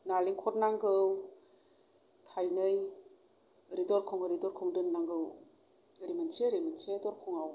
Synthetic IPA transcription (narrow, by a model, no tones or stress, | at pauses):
naliŋkʰɔt̚naŋɡɯw | tʰajnɯj | ɾidɔɾkʰɔŋɯɾidɔɾkʰɔŋdɯnːaŋɡɯw | ɾimanseɾimansedɔɾkʰɔŋaw